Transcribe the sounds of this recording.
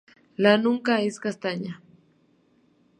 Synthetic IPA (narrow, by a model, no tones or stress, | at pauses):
lanʊŋkaɪskast̪aɲa